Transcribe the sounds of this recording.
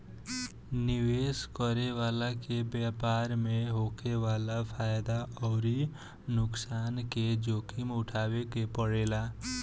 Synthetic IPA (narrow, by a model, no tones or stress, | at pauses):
nɪweːskəɾeʋaːlakebjaːpaːɾmẽɦoːkeʋaːlapʰaːjd̪aʔɔːɾi | nʊksaːnked͡ʒoːkʰimʊʈʰaːwekepəɽeːlaː